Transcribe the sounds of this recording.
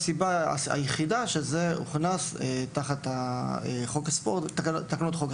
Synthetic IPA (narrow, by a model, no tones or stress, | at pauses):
sibaa̰a̰jeχidaʃezeṵχnaset̪aχat̪aeχokaspoʁtːktːakanot̪χok